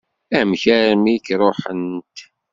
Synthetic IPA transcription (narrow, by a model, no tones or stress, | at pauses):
æmçæɾmikɾˤoħənt̪